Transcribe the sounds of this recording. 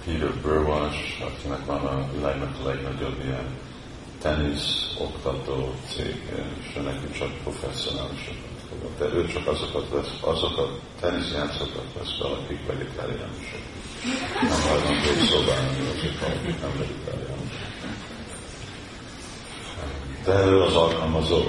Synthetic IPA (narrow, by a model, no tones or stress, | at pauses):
hiːvøbørwɒt͡ʃɒ̰kinɛkʋɒnɒvilaːɡnɛt̪ɒlɛɡnɒɟo̞bːijɛn | t̪ɛniso̞̰kt̪ɒt̪oːt̪sḛːɡɛ̰eʃøːnɛkimt͡ʃɒk̚pro̞fɛsio̞naːliʃɒkɒt̪kodo̰d̪ɛʔøːt͡ʃɒkɒzo̞kɒt̪ʋɛsɒzo̞kɒ | t̪ɛnisjaːt̪sokɒt̪ʋɛ̰sʋɛ̰lɒkikʋɛɡit̪ʰa̰ːɾija̰ːnoʃo̰k | nɛmɦɒjlɒnt̪osoːbaːnaniɒzik̪vɒ̰lɒ̰kiknɛmvɛɡ̪it̪ʰa̰ːɾija̰ːnoʃok | d̪̥ɛɾøːlɒzɒlkɒlmɒzoː